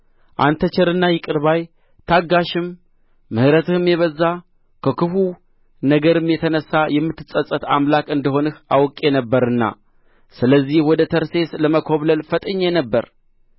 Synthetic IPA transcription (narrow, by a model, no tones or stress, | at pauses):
ʔa̰nt̪ʰət͡ʃɛɾɨnːajɪkʼɨɾβaj | t̪ʰaɡːaʃɪmː | ɨhɾət̪ʰɨhɨmjɛβəzːa | kʰəkɨfu | nəɡəɾɨmjɛt̪ʰənəsːajɛmːɨt̪ʰːɨsʼəsʼət̪a̰mlakʼɨnd̪əɦo̞nɨhawkʼenəbːəɾɨnːa̰ | sɨləzːihwɔd̪ət̪ʰəɾse̞sləməkʰoβləlfət̪ʼɨɲːenəbːəɾ